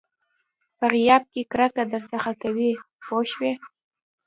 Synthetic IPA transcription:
pəɣɪjɑb̚kekɾakad̪əɾsəxakawi | poʃwe

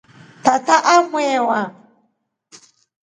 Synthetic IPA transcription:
tataʔamwɛwa

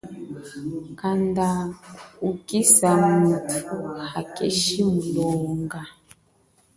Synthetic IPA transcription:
kandaukisamutʰuhakeʃimulɔːŋɡa

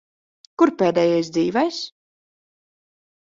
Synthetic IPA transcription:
kuɾpɛːd̪ɛːjajs̬d̪ziːvɛjs

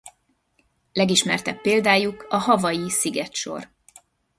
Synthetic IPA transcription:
lɛɡiʃmɛrt̪ɛpːeːld̪aːjukɒhɒvɒjisiɡɛt̪ʃo̞̰r

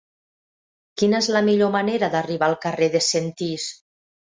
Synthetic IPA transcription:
kinəezlamiʎomaneɾad̪ariβaːlˠkareðesent̪is

